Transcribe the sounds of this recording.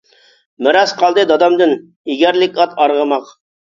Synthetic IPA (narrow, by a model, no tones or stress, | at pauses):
mɪɾɑsqɑlˠd̪ɨd̪ɑd̪ɑmd̪ɪn | iɡʲæɾlɪkʲɑt̪ɑɾʁəmɑq